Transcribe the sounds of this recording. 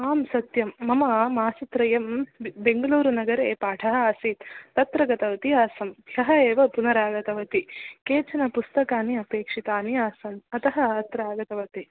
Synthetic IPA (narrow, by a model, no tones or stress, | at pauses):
aːmsɐt̪jɐmːɐmɐmaːsɐt̪ɾɐjɐmbeŋɡɐluːɾunɐɡɐɾeːpaːʈʰɐɦɐaːsit̪t̪ːɐt̪ɾɐɡɐt̪ɐʋɐt̪iaːsɐmbʱjɐɦɐeːʋɐpunɐɾaːɡɐt̪ɐʋɐt̪ikeːt͡ʃɐnɐpust̪ɐkaːniɐpeːkʂit̪aːniaːsɐnɐt̪ɐɦɐɐt̪ɾaːɡɐt̪ɐʋɐt̪i